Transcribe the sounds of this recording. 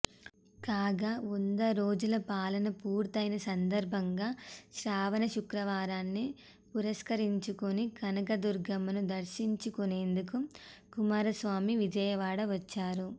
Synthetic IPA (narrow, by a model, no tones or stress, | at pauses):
kaːɡaund̪ɐɾoːd͡ʒulɐpaːlɐnɐpuːɾt̪ɐjnɐsɐnd̪ɐɾbʱɐŋɡaːʃɾaːʋɐnɐʃukɾɐʋaːɾaːnːi | puɾɐskɐɾiɲt͡ʃukonikɐnɐɡɐd̪uɾɡɐmɐnud̪ɐɾʃiɲt͡ʃukone̞ːnd̪ukukumaːɾɐsʋaːmiʋid͡ʒɐjɐʋaːɽɐʋɐt͡ʃːaːɾu